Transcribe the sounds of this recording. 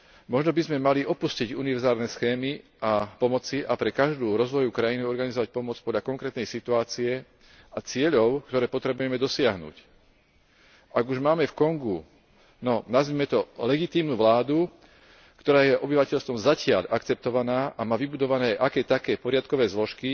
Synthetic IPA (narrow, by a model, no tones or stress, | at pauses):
mɔʒnɔbizmɛmaliʔɔpusciɟuniʋɛɾzaːlnɛsxɛːmiʔapɔmɔt͡siʔapɾɛkaʒd̪uːɾɔzʋɔjukɾajiniɔɾɡanizɔʋac̚pɔmɔt͡spɔd̪ʎakɔŋkɾɛːt̪nɛjsit̪uaːt͡siɛ | at͡sɪɛʎɔʊkt̪ɔɾɛːpɔt̪ɾɛbujɛmɛd̪ɔsɪaɦnṵːc | ʔaɡuʒmaːmɛfkɔŋɡu | nɔnazʋiːmɛt̪ɔlɛɡit̪iːmnuʋlaːd̪u | kt̪ɔɾaːjɛʔɔbiʋacɛʎst̪ʋɔmzacɪa̰ʎʔakt͡sɛp̚t̪ɔʋanaːʔamaːʋibud̪ɔʋanɛːʔakɛːt̪akɛːpɔɾɪat̪̚kɔʋɛːzlɔʃki